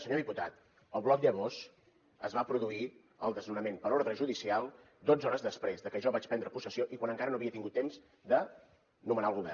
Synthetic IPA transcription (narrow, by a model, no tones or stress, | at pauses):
səɲoðiput̪at̪ | əlˠβlɔk̚d̪əβos | əzβapɾuðui | əlˠd̪əznunəmenpəɾoɾðɾəʒuðisialˠ | d̪od͡zɔɾəzðəspɾezðəkəʒɔβat͡ʃpɛnd̪ɾəpusəsioʔikwanəŋkaɾənoəβiət̪iŋɡut̪ːemz | d̪ə | numənaəlˠɣ̞uβɛ̰r